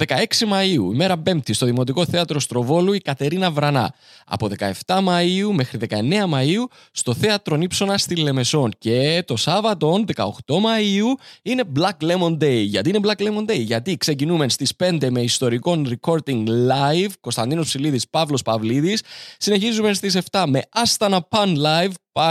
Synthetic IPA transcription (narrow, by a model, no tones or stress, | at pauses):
ðekɐe̞ksimɐiuḭme̞ɾɐpe̞mt̪ist̪o̞ðimo̞t̪̬iko̞θeɐt̪ɾo̞st̪ɾo̞vo̞luikɐt̪e̞ɾinɐvɾɐnɐ̰ | ɐ̰po̞ðe̞kɐ̰e̞ft̪ɐmɐiume̞xɾiðe̞kɐe̞ne̞ɐmɐiu | st̪o̞θe̞ɐt̪ɾo̞nipso̞nɐst̪ilːe̞me̞so̞nce̞t̪o̞sɐvɐt̪o̞nðekɐ̰o̞̰xt̪o̞mɐiuine̞blɐkle̞mo̞nd̪e̞jʝɐ̰t̪iine̞blɐklemo̞nd̪e̞jʝɐt̪ikse̞cinume̞nst̪ispe̞nd̪e̞me̞ist̪o̞ɾiko̞nɾiko̞ɾt̪iŋɡlɐjvko̞st̪ɐnd̪inospsiliðispɐvlo̞spɐvliðisːine̞çizumest̪is̬e̞ft̪ɐme̞ɐst̪ɐnɐpɐnlɐjvp